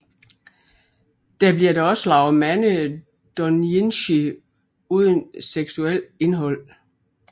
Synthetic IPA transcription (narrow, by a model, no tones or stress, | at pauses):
d̥æb̥liɐd̥æɒ̽səlɑ̈ʊmænə | d̥ɒnenɕi | uð̞ˠənseɡ̥suel̰e̝nɦɒ̽l̰